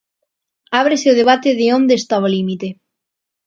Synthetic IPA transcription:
aβ̞ɾeseoð̞eβ̞at̪eðeõnd̪eːst̪aβaolimit̪e

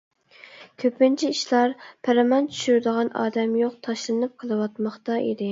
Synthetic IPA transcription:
kʲʰøpɪnt͡ʃʰiiʃlˠɑɾpʰæɾɪmɑnt͡ʃʰy̥ʃyɾd̪əʁɑnʔɑ̰ːd̪ɛmjoq̚t̪ʰɑʃlˠɨnɨp̚qʰəlˠɨwɑt̪mɑχt̪ɑʔḭd̪ɪ

